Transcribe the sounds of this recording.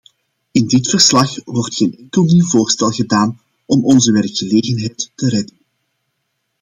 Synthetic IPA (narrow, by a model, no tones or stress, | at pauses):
ɪndɪtfərslɑxwɔrtxeːnɛŋkəlˠniwvoːrstɛlˠɣədaːn | ʔɔmɔnzəʋɛrkxəleːɣənɦɛjtːəɾɛdən